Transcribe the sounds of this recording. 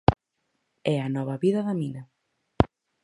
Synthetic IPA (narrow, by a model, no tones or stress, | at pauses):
ɛɐnɔβɐβiðɐðɐminɐ